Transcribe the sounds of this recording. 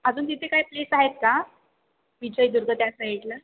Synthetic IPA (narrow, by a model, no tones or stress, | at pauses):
əd͡zuːnt̪̬it̪ʰekaɦjplesaɦet̪̚ka | ʋid͡ʑəjid̪uɾɡʱət̪jasəɦiʈlə